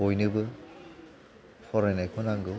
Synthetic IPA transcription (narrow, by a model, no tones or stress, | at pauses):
ojnɯbɯ | pʰɔɾenajkʰɔnaŋɡu